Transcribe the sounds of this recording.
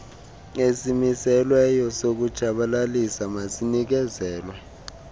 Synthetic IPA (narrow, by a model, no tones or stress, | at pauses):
esimisɛlwɛjɔsok̬ud̥ʒ̥ʱaɓalalisamasinik̬ɛzɛːlwɛ